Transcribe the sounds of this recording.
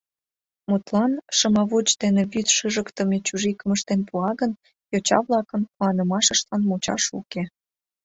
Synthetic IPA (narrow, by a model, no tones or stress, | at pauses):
mut̪lɑnʃəmɑβut͡ɕd̪eneβyt̪ʃəʒəkt̪ə̆met͡ɕuʒikəməʃt̪enpuɑɣən | jot͡ɕɑ̰βlɑkənkuɑnəmɑʃəʃt̪ɑnmut͡ɕɑ̰ʃuke